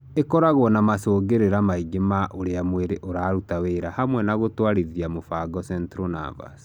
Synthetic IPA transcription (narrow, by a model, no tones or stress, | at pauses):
ekɔɾaɣwɔnamasoːɡeɾeɾamaiɡemaʔoɾeamweɾeʔoɾaːɾutaweːɾahamwɛnaɣotwaɾiðiamofaɡɔsɛntɾona̰va̰s